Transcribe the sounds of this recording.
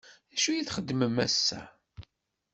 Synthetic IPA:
æʃujiθχəd̪ːməmæsːæ̰

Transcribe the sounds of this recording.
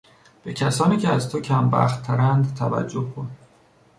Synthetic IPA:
b̥e̞cʰæsɒːniːcʰeæzt̪ʰocʰæmbæ̰xt̪ʰːæɾænd̪t̪ʰævæ̰d͡ʒːohkʰon

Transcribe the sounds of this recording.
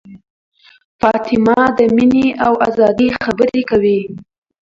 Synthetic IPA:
fɑt̪ɪmɑd̪əmineawazɑd̪ixabəɾekawi

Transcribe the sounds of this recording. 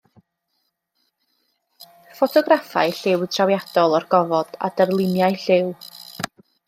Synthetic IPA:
fɔtʰɔɡrafa̰ɨɬɪwtʰrawjad̥ɔlˠɔrɡɔvɔd̥a̰dərlˠɪnjaɨɬɪw

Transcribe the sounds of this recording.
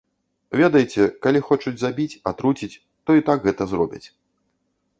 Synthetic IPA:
vʲed̪ɐjt͡sʲɛkalʲixɔt͡ʂud͡zʲzabʲit͡sʲat̪ɾut͡sʲit͡sʲ | t̪ɔit̪aɡɣɛt̪ɐzɾɔbʲɐ̰t͡sʲ

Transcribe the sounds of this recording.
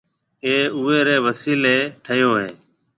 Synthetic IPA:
eːuːeːɾeːʋəsiːleːʈʰəjoːɦẽː

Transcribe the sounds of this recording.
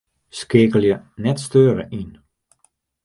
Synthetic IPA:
skeːkəlˠjə | nɛtstøːɾə̰ʔin

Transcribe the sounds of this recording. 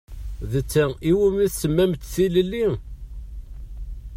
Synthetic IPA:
ðət͡sːæiwimiθsəmːæmt̪θiləlːi

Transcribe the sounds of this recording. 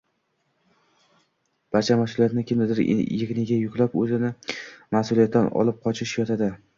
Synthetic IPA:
b̥aɾt͡ʃʰamasʊlˠijat̪nɪkʲʰɪmd̪ɪd̪ɪɾ̰jɪʁnɪɡʲajʊkʰʲlˠapɵzɪnɪmahsʊlijat̪d̪anɒ̰lɪp̚qʰɒt͡ʃʰɪʃjɒt̪ʰad̪ɪ

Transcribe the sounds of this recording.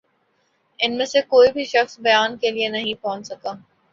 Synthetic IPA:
ɪnmẽsekoːibʱiʃɐxsbɐjaːnkelienɐɦĩpɔɦʊ̃t͡ʃsɐkaː

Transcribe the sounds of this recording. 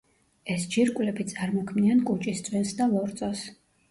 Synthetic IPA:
ɛsd͡ʒiɾkʼwlɛbit̪sʼaɾmɔkʰmniankʼut͡ʃʼist̪sʼwɛnsd̪alɔɾt̪sʼɔs

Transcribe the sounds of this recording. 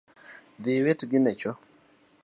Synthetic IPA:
d̪ɪwetɡɪnɛt͡ʃɔ

